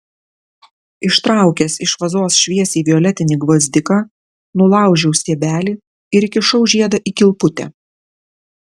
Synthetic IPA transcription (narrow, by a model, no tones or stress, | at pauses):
ɪʃt̪ɾɑˑʊkʲɛsɪʃʋɐzoːsʃʲʋʲiɛsʲiːʋʲɪɔlʲɛt̪ʲɪnʲiɡʋɐzʲd̪ʲɪkɑ | nʊlˠɑˑʊʒʲɛʊsʲiɛbʲæːlʲiː | ɪɾɪkʲɪʃɒʊʒʲiɛd̪ɐʔiːkʲɪlˠpʊt̪ʲɛ̰